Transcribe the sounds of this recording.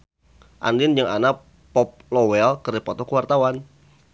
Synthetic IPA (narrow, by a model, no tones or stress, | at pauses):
ʔa̰ndɪnd͡ʒɨŋa̰na | pɔp̚lɔwɛlkərdipɔt̪ɔkəwart̪awan